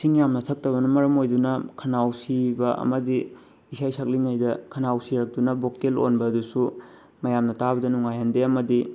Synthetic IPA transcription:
siŋjamnɐtʰɐk̚tɐβɐnɐmɐɾɐmojdunɐkʰɐnawsibɐʔɐ̰mɐdi | isʰajsʰɐk̚liŋajdɐkʰɐnawsiɾɐk̚tunɐbokelo̰nbɐːdusu | mɐjamnɐtabɐdɐnuŋajhɐndeɐmɐdi

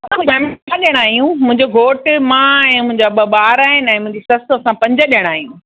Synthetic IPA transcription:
ɐsãfɛːmaɗijəɽ̃aːɦijũmʊ̃ɦɪ̃ɲd͡ʑoɡʱoːʈmãɛ̃ːmʊ̃ɦɪ̃ɲd͡ʑabəɓaːɾaːɦɪnɪ̆ɛ̃ːmʊ̃ɦɪ̃ɲd͡ʑisɐsɐsãpɐ̃ɲd͡ʑəɗijəɽ̃aːɦijũ

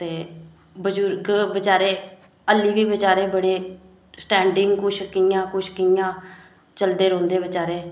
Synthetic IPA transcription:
t̪eː | bəd͡ʒuɾɡbət͡ʃaːɾeː | əlːiːʋiːbət͡ʃaːɾeːbəɽeː | sʈɛ̃ːɳɖɪŋɡkʊʃkijãːkʊʃkijãː | t͡ʃəld̪eːɾõːnd̪eːbɪt͡ʃaːɾeː

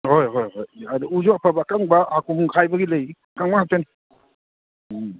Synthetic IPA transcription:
hojɦojɦojadiud͡ʒɔapʰabakaŋbaːkʰumuŋkʰajbaɡiləj | kaŋmahatani

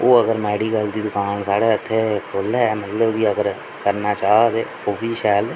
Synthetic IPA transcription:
oːəɡəɾmɛːɽiːɡəld̪iːd̪ʊkaːnsaːɽeːət̪ʰːeːkolɛmət̪ləbkiːəɡəɾ | kəɾnaːt͡ʃaːd̪eː | oːbiːʃɛːl

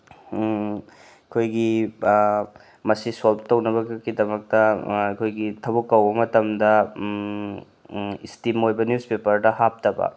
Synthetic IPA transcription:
ɐkʰojɡi | mɐsisolptɐwnɐβɐɡidɐmɐk̚tɐɐkʰojɡitʰɐbukːɐwbɐmɐtɐmdɐ | istimojbɐnjuspepɐɾdɐhap̚tɐbɐ̰

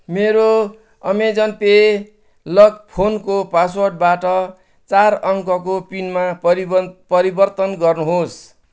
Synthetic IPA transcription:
meɾo | ʌmed͡zʌnpe | lʌkpʰonkopasworɖ̚baʈʌ | t͡sarʌŋkʌkopinmaʌipʌɾibʌrt̪ʌnɡʌrnuɦos

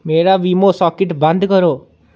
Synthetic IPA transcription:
meɾaʋimosɔkeʈband̪ʱkɔɾo

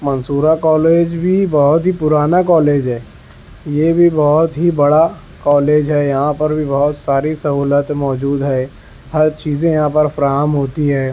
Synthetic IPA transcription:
mɐ̃nsuːɾakɔːleːd͡ʒbʱibɔɦʊt̪ɦipʊɾaːnakɔːleːd͡ʒɦɛː | jeːbʱibɔɦʊt̪ɦibɐɽa | kɔːleːd͡ʒɦɛːjɐɦãpɐɾbʱibɔɦʊt̪saːɾisɐɦuːlət̪mɔːd͡ʒuːd̪ɦɛː | hɐɾt͡ʃiːzẽjɐɦãpɐɾfɾaːɦəmɦoːt̪iɦɛː

